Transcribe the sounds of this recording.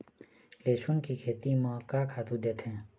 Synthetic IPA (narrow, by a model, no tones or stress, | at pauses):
leːsʊnkikʰeːt̪imãkaːkʰaːt̪ud̪eːt̪ʰɛ̃ː